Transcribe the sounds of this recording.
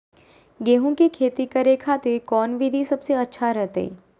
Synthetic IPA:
ɡeːɦõkekʰeːt̪ikɐɾekʰaːt̪ekɔːnʋid̪ʱisɐbseɐtːʃʰaɾɛɦt̪eɛ̰ː

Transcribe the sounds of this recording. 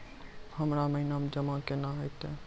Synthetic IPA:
hɐmɾamɐɦinaːmd͡ʒɐmakenaɦɐt̪e

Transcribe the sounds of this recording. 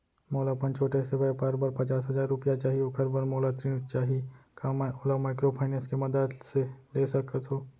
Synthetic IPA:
moːlapɐ̃nt͡ʃʰoːʈesebəepaːɾbəɾpɐt͡ʃaːsɦɐzaːɾːʊpijat͡ʃaːɦiokʰɐɾbəɾmoːlat̪ɾint͡ʃaːɦiekamɛoːlamaːɪkɾopʰaːɪneskemɐd̪əd̪seleːsɐkət̪ɦoː

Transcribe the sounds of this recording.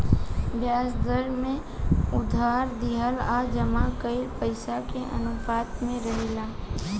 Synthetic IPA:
bjaːsd̪əɾmẽ | ʊd̪ʱaːɾd̪iɦəlad͡ʒəmakəɪɾpəɪsakeʔə̰nʊfaːt̪mẽɾəɦeːlaː

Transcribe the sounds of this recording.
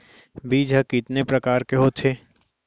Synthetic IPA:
biːd͡ʒʱəkɪt̪nepɾɐkaːɾkeɦot̪ʰeː

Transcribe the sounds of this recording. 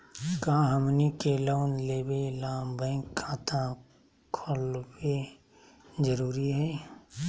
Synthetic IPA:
kaːɦəmnikeloːnleːbelaːmbə̃ɪ̃kʰːaːt̪ʰã | kʰolbe | d͡ʒəɾuːɾiɦɛː

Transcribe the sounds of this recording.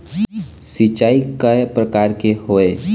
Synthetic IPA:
sit͡ʃaːikəpɾəkaːɾkeɦoːe

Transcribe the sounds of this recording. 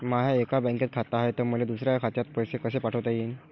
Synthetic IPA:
maɦjaekabə̃ŋket̪̚kʰat̪aɦet̪əɾməled̪usɾjajakʰat̪jat̪̚pəjsekəs̬epaʈʰəʋt̪ajin

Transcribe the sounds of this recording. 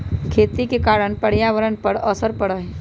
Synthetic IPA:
kʰeːt̪ikekaːɾəɽ̃pəɽ̤jaːʋəɾənpəɾəsəɾpəɽəɦe

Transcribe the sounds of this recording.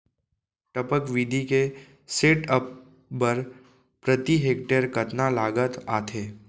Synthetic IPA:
ʈəpəkʋiːd̪ʱike | seːʈəpː | əɾ | pɾət̪iɦeːk̚ʈəɾkɐt̪nalaːɡət̪aːt̪ʰeː

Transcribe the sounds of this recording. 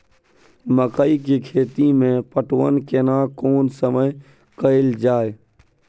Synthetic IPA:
məkəikikʰeːt̪imẽpəʈwə̰nkenaːkoːnsəməj | kəɪld͡ʒaːe

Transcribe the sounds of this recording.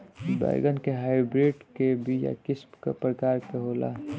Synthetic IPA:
ba̰ɡənkeɦaːɪbɾeːɖkebʱija̰kɪsmkḛpɾəkaːɾkeɦoːla̰ː

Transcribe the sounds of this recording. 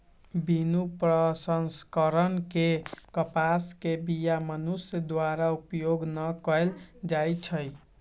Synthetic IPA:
binupɾəsənskəɾənkekʌpaskebijamənusjd̪waɾaupjoɡnʌkəjld͡ʒajt͡ʃʰʌj

